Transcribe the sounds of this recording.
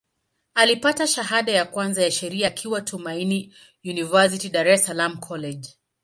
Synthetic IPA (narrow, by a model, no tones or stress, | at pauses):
alipataʃaɦaɗajakwanzajaʃɛɾiakʰiwatʰumaini | junivas̬itiɗaɾɛsalamkʰɔlɛd͡ʒ